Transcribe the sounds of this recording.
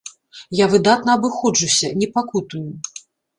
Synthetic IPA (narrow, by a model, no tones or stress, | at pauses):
javɨd̪at̪nɐːbɨxɔd͡ʐusʲɐnʲɛpakut̪uju